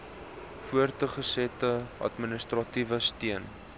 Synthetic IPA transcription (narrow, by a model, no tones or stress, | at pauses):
fuərtəχəsɛtəʔɐ̰tminəstrɑtivəstiən